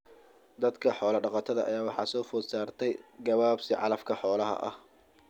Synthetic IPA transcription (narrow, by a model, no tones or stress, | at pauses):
d̪ɐd̪kʰɐħɔːlɐɖɑqɑt̪ʰɐðɐʔɐ̰jaːwɑħɑ̰ːsɔːfɔːsaːrt̪ʰɛjɡɐβaːbsɪʕɑ̰lɐfkʰɐħɔːlɐɦɐ̰ʔɐ̰h